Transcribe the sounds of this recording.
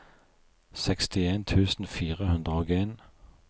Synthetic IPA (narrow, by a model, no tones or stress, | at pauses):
sɛkst̪ɪeːnt̪ʰʉːsn̩fiːʁəhʉnd̪ʁəoːɡeːn